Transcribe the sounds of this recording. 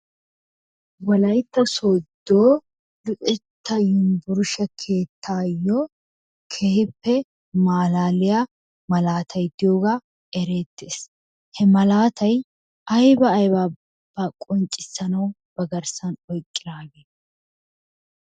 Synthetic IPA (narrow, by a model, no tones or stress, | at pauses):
wɐlɐjt̪ːɐsoːd̪ːoː | lʊʔʼɛt̪ːɐjɪnbʊɾʊʃɐkʰe̞ːt̪ʰːaːjːɔ | kʰehɪpːɛ | maːlaːlɪja | mɐlaːt̪ʰɐjd̪ɪjoːɡaː | ɛɾe̞ːt̪ːeːs | hɛmɐlaːt̪ʰɐj | ɐjbɐːjbaː | b̥ɐkʼɔnt͡ʃʼːɪsːɐnɐw | b̥ɐɡɐɾsɐnɔjkʼːɪd̪aːɡeː